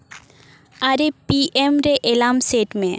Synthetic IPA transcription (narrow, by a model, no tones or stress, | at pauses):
aɾepiʔemɾeʔelamseʈmẽ